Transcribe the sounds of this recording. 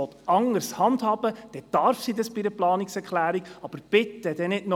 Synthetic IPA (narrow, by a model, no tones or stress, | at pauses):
ɔt̪ɑŋəɾshɑndhɑːb̥əd̥ɛd̥ɑɾfsidɑsb̥iɾəplɑːniksɛɾkʰlæːɾiɡ̥ɑb̥əɾb̥ɪtədɛnɪdnɔ